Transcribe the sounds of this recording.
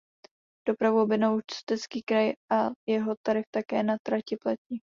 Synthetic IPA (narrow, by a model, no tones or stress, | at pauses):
d̥o̞pɾavuobɪnowt͡ʃt̪ɛt͡skiːkɾajʔajɛɦo̞t̪aɾɪft̪akɛ̰ːnat̪ɾacɪplac̪ɲi